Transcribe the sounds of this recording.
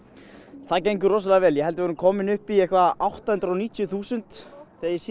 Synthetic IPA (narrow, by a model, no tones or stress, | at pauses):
θaðcejŋkʏrɔsalavɛːljɛhɛlt̪ɪvɔːɾɪmkʰɔːmɪnʏhpiɛhkvaawht̪ahʏnt̪ɾɔwniːt̪jʏθuːsʏnt̪θejs